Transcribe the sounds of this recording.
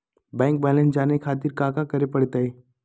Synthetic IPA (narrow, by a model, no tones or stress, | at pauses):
bɛ̃ːŋk̚bɛːlɛ̃nsd͡ʒaːnekʰaːt̪̬ɪɾkaːkakɐɾepɐɽ̤t̪aeː